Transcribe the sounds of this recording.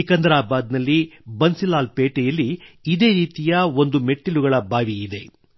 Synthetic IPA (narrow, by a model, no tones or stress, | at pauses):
ikɐnd̪ɾaːbaːd̪nɐlːibɐnsilaːlpeːʈɛjɐlːiːd̪e̞ːɾiːt̪ijɐo̞nd̪ume̞ʈːiluɡɐɭɐbʱaːʋiːd̪e̞